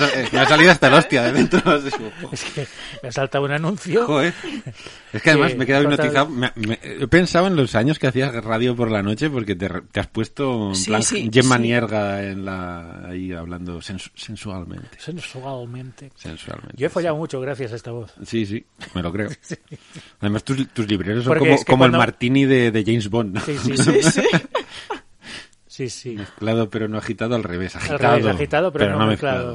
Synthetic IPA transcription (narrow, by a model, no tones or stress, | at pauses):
sameas̬aliðoast̪alost̪jaðeðent̪ɾoasesooeskemeasalt̪awunanũnθjoxoe | e̞skeaðemasmeke̞ðawinoiθawmeamejo̞pe̞nsawe̞nlo̞saɲo̞skeaθiazraðjopo̞ɾlano̞t͡ʃe̞po̞ɾke̞t̪ert̪easpwe̞st̪oemlaŋkʝemanje̞ɾɣaenlaa̰iaβland̪osensuse̞nsualmḛ̃nt̪e̥sensalmẽnt̪ese̞̰nsua̰lmḛ̃njoefoʎawmut͡ʃoɣɾaθjas̬aest̪aβoθsis̬ime̞lo̞kɾe̞o | aðemast̪uzt̪uzliβɾeɾes̬okomokkomoelmaɾt̪iniðe̞ðe̞ʝejnzβonːsii | sisimeθklað̞opeɾo̞noaxit̪aðoalre̞β̞e̞saxialt̪aðoait̪aðopeɾpeɾonomeθklaðo